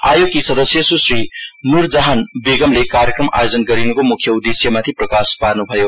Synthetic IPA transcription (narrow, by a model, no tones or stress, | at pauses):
ajukːisɐd̪ɐsijɐsusɾinuɾd͡ʒɐɦɐnbiɡɐmlekaɾjekɾɐma̰jozɐnt̚ɡɐɾinuɡomukʰːjɐud̪isijɐmɐt̪ʰipɾɐkaspaɾnupʰajo